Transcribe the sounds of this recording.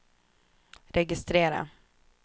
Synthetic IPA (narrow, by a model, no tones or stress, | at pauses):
ɾɛɡɪst̪ɾeːɾa̰